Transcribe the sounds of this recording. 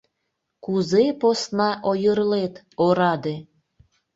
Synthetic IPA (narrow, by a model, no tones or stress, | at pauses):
kuzeposnɑʔojərlet̪ | oɾɑd̪e